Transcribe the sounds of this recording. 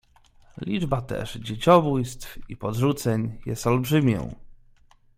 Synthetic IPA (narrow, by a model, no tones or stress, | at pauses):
lʲid͡ʐbat̪ɛ̰ʐd͡ʑet͡ɕɔbujst̪fḭpɔd̪ʐut̪sɛɲjɛ̰st̪ɔlbʐɘmʲjɔ̰̃w̃